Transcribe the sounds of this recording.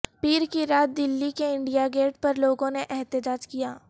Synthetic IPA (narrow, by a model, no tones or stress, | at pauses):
piːɾkiɾaːt̪̚d̪ɪlːikeɪ̃ɳɖijaɡeːʈ̚pɐɾloːɡõneʔɛɦt̪əd͡ʒaːd͡ʒkijaː